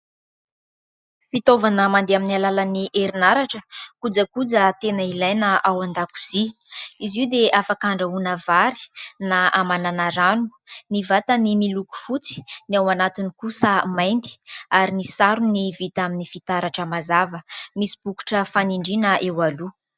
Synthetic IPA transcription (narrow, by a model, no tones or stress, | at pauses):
fit̪ovanəmand̪eaminialalaniʔeɾinaɾaʈ͡ʂəkud͡zəkud͡zət̪enəilajnəawand̪aku̥z̥i | iziwd̪eʔafakaɳɖ͡ʐəunəvaɾi̥naʔamananaɾanu̥nivat̪ənimiluku̥fut͡si̥niawanat̪inikusəmajnt̪i̥aɾinisaɾunivit̪aminifit̪aɾaʈ͡ʂəmazavəmisi̥b̥uku̥ʈ͡ʂəfaniɳɖ͡ʐinəʔewalu